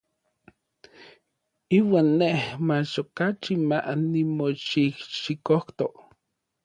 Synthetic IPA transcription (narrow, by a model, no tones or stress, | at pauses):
iːwaːnːehmat͡ʃokat͡ʃimaʔnimoʃihʃikoht̪oʔ